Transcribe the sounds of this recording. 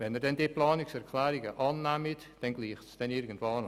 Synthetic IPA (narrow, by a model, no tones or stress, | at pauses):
vɛnɛrdɛndepʰlˠɑːnɪksɛrkʰlaːɾɪɡəʔɑːnːamɪd | d̥ɛnɡlˠiːχtsd̥ɛnɪɾɡən̩tvaːn